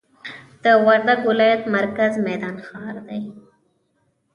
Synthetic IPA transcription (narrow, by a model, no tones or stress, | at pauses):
d̪̥əwaɾd̪aɡwɪlɑjat̪maɾkazmɛd̪ɑnxɑɾd̪aj